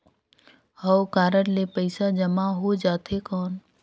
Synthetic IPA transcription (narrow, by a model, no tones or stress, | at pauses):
həwkaːɾəɽlepəɪsad͡ʒəmaɦod͡ʒaːt̪ekɔːn